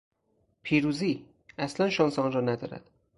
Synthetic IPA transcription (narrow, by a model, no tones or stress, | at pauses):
pʰiːɾuːziː | æslænʃɒːnsɒːnrɒːnæd̪ɒ̰ːɾæ̰d̪̥